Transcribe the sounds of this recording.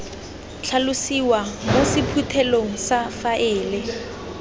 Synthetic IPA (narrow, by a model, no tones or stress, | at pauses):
t͡ɬʰalʊsiwamosɪpʰutʰɛloŋ̩safaʔɪːlɪ